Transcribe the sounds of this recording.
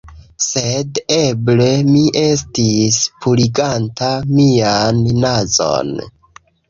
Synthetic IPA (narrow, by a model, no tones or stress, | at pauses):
sede̞ble̞miʔe̞s̬tispʰuliɡantʰamianːazo̞̰n